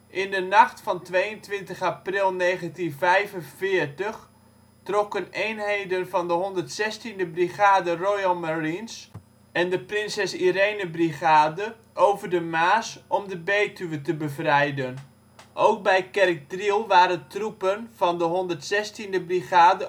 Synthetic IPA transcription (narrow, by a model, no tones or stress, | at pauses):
ʔɪndənɑχtfɑntʋejəntʋɪntəχaprɪlˠnejχəntinvɛjvənvɪːɹtəχ | trɔkənejnɦejdənvɑndəɦɔndərtsɛstindəbriχaːdərojəlˠmarins | ɛndəprɪnsɛsirejnəbriχaːdə | ʔowvərdəmaːsɔmdəbeːtyʋətəbəvrɛjdən | ʔowk̚bɛjkɛrk̚drilˠʋaːɾəntrupənv̥ɑndəɦɔndərtsɛstindəbriχaːdə